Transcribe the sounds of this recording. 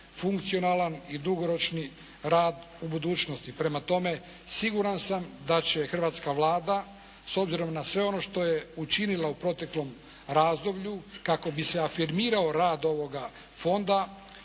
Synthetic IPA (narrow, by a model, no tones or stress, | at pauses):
fuŋkt̪sio̞nalˠanid̪uɡo̞ɾo̞t͡ʃni | ɾaːd̪ | ubud̪uːt͡ʃnost̪ipɾe̞mat̪o̞me̞ | siɡuɾansamd̪at͡ɕe̞xr̩ʋaːt̪skaʋlˠaːd̪a | so̞bziɾo̞mnasʋe̞o̞no̞ʃt̪o̞jeut͡ʃinilˠaupɾo̞t̪e̞klo̞m | ɾaːzd̪o̞bʎukako̞bise̞afiɾmiːɾaoɾaːd̪o̞ʋo̞ɡa | fo̞nd̪a